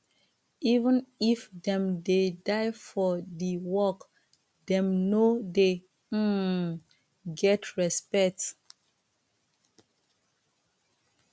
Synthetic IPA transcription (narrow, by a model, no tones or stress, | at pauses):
ivə̃nifdɛ̃mdedaɪfɔdiwɔk | dɛ̃mnode | ɡɛtʰɹɛspɛk̚t